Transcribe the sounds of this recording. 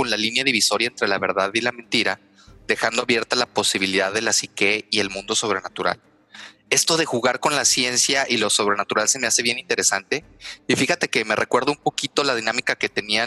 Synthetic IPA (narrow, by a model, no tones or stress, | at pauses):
konlalinjaðiβiso̞ɾjaent̪ɾe̞laβ̞e̞ɾðaðilament̪iɾa | ðe̞xand̪oaβje̞ɾt̪alapo̞siβiliðaðe̞lasike̞ie̞lmũnd̪o̞so̞β̞ɾe̞nat̪uɾa̰l | e̞st̪o̞ðe̞xuɣaɾko̞nlasje̞nsjaʔilo̞so̞β̞ɾe̞nat̪uɾalse̞mease̞βje̞nĩnt̪e̞ɾe̞sant̪e̞ | ifixat̪e̞ke̞me̞rʔe̞kwe̞ɾðoumpo̞kit̪o̞laðinãmikake̞t̪e̞nia